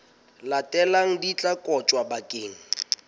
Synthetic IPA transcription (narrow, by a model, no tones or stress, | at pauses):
latʼɛlaŋ̩dit͡ɬʼakʼɔt͡ʃʼwabakʼeːŋ̩